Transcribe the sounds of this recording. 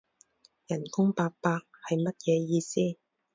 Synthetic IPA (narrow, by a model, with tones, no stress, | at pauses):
jɐ˨˩nkʊ˥ŋpaː˧k̚paː˧k̚hɐ˨jmɐ˥t̚jɛː˨˧jiː˧siː˥